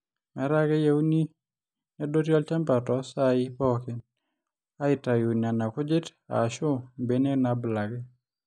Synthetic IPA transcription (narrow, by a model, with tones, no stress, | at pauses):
mɛ˨˦ɾa˦ɡɛ˦je˦wu˦ni˦ | nɛ˦do˦tjɔ˦lt͡ʃa˦mpa˨tɔ˨sa˦ɪ˦pɔ˦kɪ˦n | a˦ɪ˨ta˨ju˨na˨na˨kʊ˦d͡ʒɪ˦ta̰˨ʃʊ˦mbe˨ne˦na˨bla˨ɡɛ˦